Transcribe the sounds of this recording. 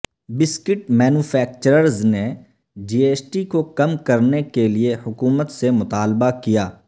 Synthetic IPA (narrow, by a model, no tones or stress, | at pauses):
bɪskɪʈmɛːnuːfʰɛːk̚t͡ʃəɾəɾzne | d͡ʒiːeːsʈikokɐmkɐɾnekeliehʊkuːmət̪semʊt̪aːlbakijaː